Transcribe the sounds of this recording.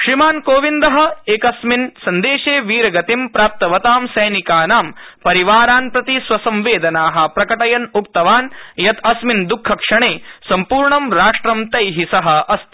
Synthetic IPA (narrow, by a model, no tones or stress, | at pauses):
ʃɾimaːnkoːʋind̪ɐɦɐ̆eːkɐsminsɐnd̪eːʃeːʋiːɾɐɡɐt̪impɾaːp̚t̪ɐʋɐt̪aːmsɐjnikaːnaːmpɐɾiʋaːɾaːnpɾɐt̪isʋɐsɐ̃mʋeːd̪ɐnaːɦɐ̆pɾɐkɐʈɐjɐnuk̚t̪ɐʋaːnjɐt̪ɐsmind̪ukʰːɐkʂɐɳeːsɐmpuːɾɳɐmɾaːʂʈɾɐmt̪ɐjɦisɐɦɐ̆ɐst̪